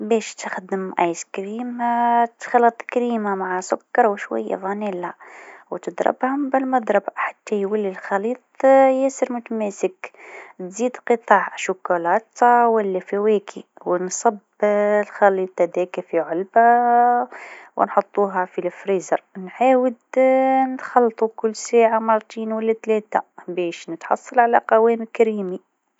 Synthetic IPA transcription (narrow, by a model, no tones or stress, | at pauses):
bɛːʃt̪əxd̪əmʔa̰jskɾiːmat̪xɑlːɑt̪ˤkɾiːmamaʕasʊkːɑɾˤwʃwæ̰jːa̰ðˤɑnilawt̪əd̪ɾˤɑ̰bhʊmbɪlmɑd̪ˤɾˤɑbħḁt̪ːæjwəlːilxɑliːt̪ˤjæsəɾmʊt̪mæsəkt̪ziːd̪qɨt̪ˤɑʕʃʊkulɑːt̪ɑwəlːæfiwækʰiwnsˤɑb | lxɑliːt̪ˤɑd̪ækæfiʕʊlba | w̰nħot̪ˤːuːɦafilfɾizɑ̰ɾˤnħaːwəd̪nt̪xɑlːt̪ˤukʊlːsæːʕamɑɾˤt̪ˤiːnwælːæt̪lɛːt̪a̰bɛːʃnət̪ħɑ̰sˤːɑlʕalæqɑwɛːmkɾiːmi